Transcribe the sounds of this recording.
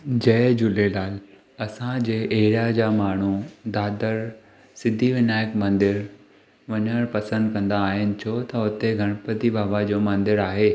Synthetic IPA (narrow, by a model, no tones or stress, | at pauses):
d͡ʑɐd͡ʑʊlelaːl | ɐsãd͡ʑeːʔeɦɪɾjad͡ʑaːmaːɳ̤ud̪aːd̪əɾ | sɪd̪ʱiʋɪnaːjəkmɐ̃nd̪ɪɾ | ʋɐɲəɽ̃pɐsə̃nd̪̚kɐ̃nd̪aːɦɪnɪ̆t͡ɕʰot̪ɐʊt̪eɡʱɐɽ̃pət̪ibʱaːbad͡ʑoːmɐ̃nd̪ɪɾaːɦeː